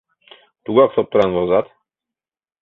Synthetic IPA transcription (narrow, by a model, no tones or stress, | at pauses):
t̪uɡɑqsɒp̚t̪ŏɾɑnzɒzɑt̪